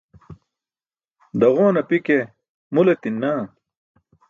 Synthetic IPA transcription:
d̪ɐʁoːnɐpike | mulet̪inːaː

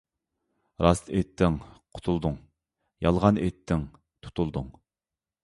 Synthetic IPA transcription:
ɾɑst̪et̪ʰːɪŋqʰʊ̥t̪ʰulˠd̪uŋ | jɑlˠʁɑnet̪ʰːɪŋ | t̪ʰu̥t̪ʰulˠd̪uŋ

